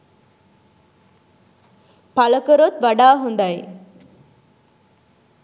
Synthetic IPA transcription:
pɐlɐkɐɾot̪ʋɐɽaːɦund̪ɐj

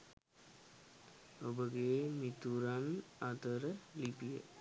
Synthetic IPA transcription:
obəɡemit̪uɾamat̪əɾəlipijə̰

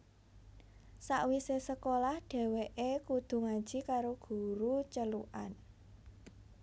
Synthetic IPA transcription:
sa̰ʔwisesəkolahɖ̥ɛ̤weʔekud̪̥ṳŋad̥ʒ̥i̤kaɾoɡ̥ṳɾut͡ʃəluʔan

